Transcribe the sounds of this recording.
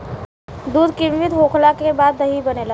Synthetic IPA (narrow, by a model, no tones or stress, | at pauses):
d̪uːd̪kĩmʋɪt̪ɦoːkʰlakebaːd̪ːɐɦibɐnela